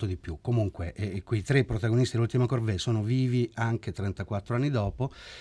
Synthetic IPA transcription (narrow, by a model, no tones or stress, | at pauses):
t̪od̪ipjukːomuŋkweʔkuit̪ɾepːɾot̪aɡonist̪ielult̪imakorvesoːnoviːviaŋk̟et̪ɾɛnt̪akwat̪ːɾoanːid̪ɔːpo